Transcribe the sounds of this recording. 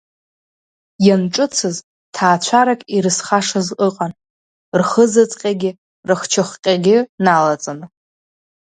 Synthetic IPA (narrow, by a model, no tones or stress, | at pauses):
janʈ͡ʂʼɨt͡sʰɨz | tʰaːt͡ɕʷʰaɾakʼiɾɨsχaʂazʼəqʼan | rχəzɨt͡sʼqʲʼaɡʲɪ | rɨχt͡ʃʰɨχqʲʼaɡʲɪnalat͡sʼanɨ